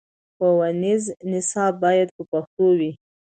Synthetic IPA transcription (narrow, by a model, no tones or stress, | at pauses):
xowaniznɪsɑb̚ːɑjad̪̚pəpaxt̪owi